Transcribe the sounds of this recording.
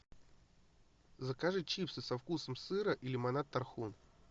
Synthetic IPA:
zəkaʐɨt͡ɕipsɨsɐfkusəmsɨɾəʔilʲɪmɐnat̪ːɐrxun

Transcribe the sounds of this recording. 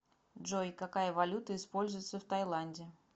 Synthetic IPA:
dʐojkɐkajəvɐlʲut̪əɪspolʲzʊjɪt̪səft̪ɐjlˠanʲdʲɪ

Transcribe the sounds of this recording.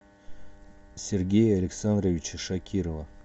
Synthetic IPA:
sʲerɡʲejɐlʲɪksand̪rovʲit͡ɕʃakʲʰiɾova

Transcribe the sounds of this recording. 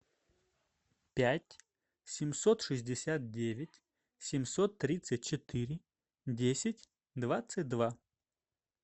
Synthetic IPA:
pʲætʲ | sʲɪmsot̪ʂɨzʲdʲɪsʲat̪̚dʲevʲɪtʲ | sʲɪmsot̪ːɾʲit̪sɨt̚ʲt͡ɕɪt̪ɨɾʲɪ | dʲesʲɪtʲ | d̪vat̪sɨt̚ʲd̪va

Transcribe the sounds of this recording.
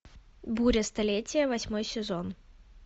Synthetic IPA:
buɾʲəst̪ɐlʲetʲɪjəvɐsʲmo̞jsʲɪzon

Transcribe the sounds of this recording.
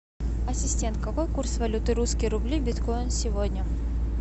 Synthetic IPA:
ɐsʲɪsʲtʲe̞nt̪̚kɐvojkursvɐlʲut̪ɨɾuskʲəjɾʊblʲibʲɪt̪kojɪnsʲɪvodʲnʲə

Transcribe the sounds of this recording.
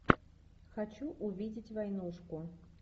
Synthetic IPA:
xat͡ʃuʔuvʲid͡zʲit͡sʲvajnuʂku

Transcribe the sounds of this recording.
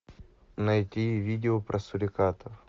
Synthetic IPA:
nɐjtʲivʲidʲɪopɾʔɐsʊɾʲɪkat̪əf

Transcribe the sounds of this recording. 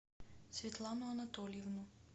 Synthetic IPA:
svit̪lˠanoanat̪ɔlivnu

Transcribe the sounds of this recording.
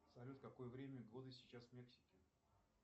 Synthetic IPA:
sɐlʲut̪kɐko̞jəvɾʲemʲəɡod̪ɨsʲɪt͡ɕːasvmʲe̞ksʲɪ̥kʲɪ

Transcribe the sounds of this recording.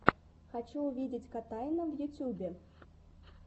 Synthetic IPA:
xat͡ɕuːvʲid͡zʲit͡sʲkat̪ajnəvjut͡sʲubʲɛ

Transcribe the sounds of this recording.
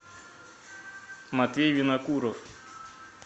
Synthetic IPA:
mat̪ejvinakuɾof

